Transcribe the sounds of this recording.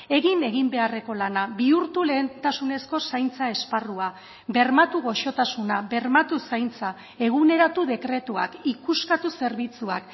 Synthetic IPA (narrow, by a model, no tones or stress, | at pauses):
e̞ɣine̞ɣ̞imbe̞are̞ko̞lanaβiuɾt̪ule̞ːnt̪asune̞sko̞sajnt͡sae̞sparua | be̞ɾmat̪uɣ̞o̞ʃo̞t̪asunaβe̞ɾmat̪usajnt͡sa | e̞ɣ̞une̞ɾat̪uðe̞kɾe̞t̪ua̰kikuskat̪use̞ɾβit͡suak